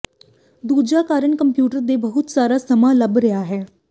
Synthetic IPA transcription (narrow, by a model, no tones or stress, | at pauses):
d̪ud͡ʑakaɾəɳkəmpjuːʈəɾd̪ebəɦut̪saɾasəmaləbɾɛaɦe